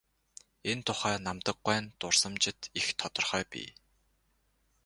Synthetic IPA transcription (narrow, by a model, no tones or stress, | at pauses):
ent̪ʰʊχæːnamt̪ə̆ɡ̚æːnt̪ʊrsə̆mt͡ɕɪ̆t̪ixt̪ʰɔt̪ɞ̆rχœːpḭː